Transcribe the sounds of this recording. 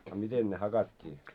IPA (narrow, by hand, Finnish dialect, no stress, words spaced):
ɑ miten ne hɑkɑtʲːiː